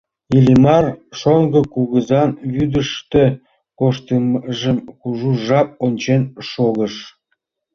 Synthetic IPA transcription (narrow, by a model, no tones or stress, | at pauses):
ilʲimɑrʃoŋɡə̆kuɣəzɑnβyd̪əʃt̪e | koʃt̪əmʒəmkuʒuʒɑp̚onʲt͡ɕenʃoɣəʃ